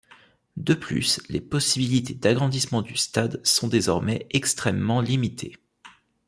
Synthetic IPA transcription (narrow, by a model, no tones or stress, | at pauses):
d̪əply̰slepɔsibilit̪ʰed̪aɡʁɑ̃d̪ismɑ̃d̪yst̪ad̪sɔ̃d̪ezɔʁmɛɛkst̪χɛmːɑ̃limit̪ʰe